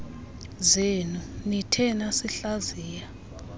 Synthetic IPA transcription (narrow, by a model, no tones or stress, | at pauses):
zenunitʰɛnasiɬaziːja